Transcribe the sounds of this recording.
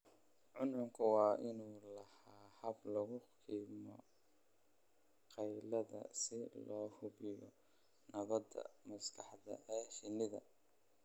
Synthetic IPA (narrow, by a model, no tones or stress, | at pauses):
ʕʊnʊŋkʰɐwɑːʔɪnuːlɐhaːhɐblɐɣʊqiːmɔ | qɑjlɐðɐ̰sɪlɔːhʊβɪjɔ | nɐβɐd̪ɐ̰mɐskʰɑħdɐ̰ʔɛːʃɪnɪðɐ̰